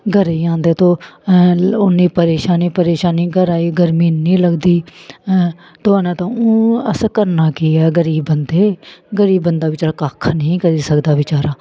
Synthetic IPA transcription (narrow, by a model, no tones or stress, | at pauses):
ɡʱəɾeːãːnd̪eːt̪õː | ʊnːiːpəɾeːʃaːniːpəɾeːʃaːniːɡəɾaːiːɡəɾmiːnːĩːləɡd̪iː | t̪ʊaːnẽːt̪ãːõːəskəɾnaːkiːɛːɡəɾiːbənd̪eːɡəɾiːbːənd̪aːʋɪt͡ʃaːɾaːkaːkʰnəĩːkəɾiːsəkd̪aːʋɪt͡ʃaːɾãː